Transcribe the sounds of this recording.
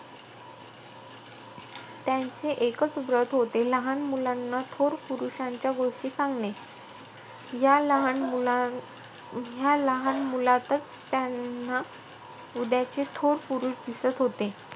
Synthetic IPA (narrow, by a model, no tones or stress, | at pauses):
t̪jaɲt͡seʔekət͡sbɾət̪ɦot̪eləɦanmulanːat̪ʰoɾpuɾuɕãɲt͡ɕjaɡoʂʈiːsãŋɡne | jaləɦan | jaləɦanmulat̪ət͡s | t̪janːa | ud̪jat͡ɕet̪ʰoɾpuɾuːʂd̪isət̪ɦot̪e